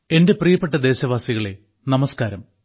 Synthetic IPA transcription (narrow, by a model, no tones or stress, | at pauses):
e̞nde̞prijɐpːe̞ʈːɐd̪e̞ːɕɐʋaːsiɣɐɭe̞ | nɐmɐskaːɾɐm